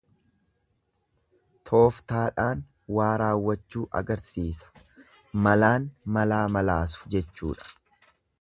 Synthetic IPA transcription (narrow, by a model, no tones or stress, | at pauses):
t̪ʰo̞ːft̪aːᶑaːn | waːɾaːwːɐt͡ʃːuːʔɐ̰ɡɐɾsiːsɐ̥ | mɐlaːnmɐlaːmɐlaːsʊ̥d͡ʒɛt͡ʃːṵːᶑɐ̥